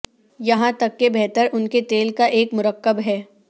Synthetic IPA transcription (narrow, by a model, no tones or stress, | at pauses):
jɐɦãt̪ɐkːebɛɦt̪əɾʔʊnket̪eːlkaʔeːkmʊɾəkːəbɦɛː